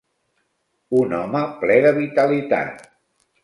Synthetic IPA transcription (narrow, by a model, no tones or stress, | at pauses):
unɔməplɛðəβit̪əlit̪a̰t̪̚